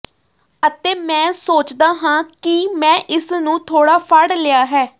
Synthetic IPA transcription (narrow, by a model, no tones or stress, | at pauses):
ət̪eːmɛ̃ːsoːt͡ʃd̪aːɦãːkɪmɛ̃ːʔɪsnũːt̪ʰoːɽaːpʰaɽlɪjaːɦɛː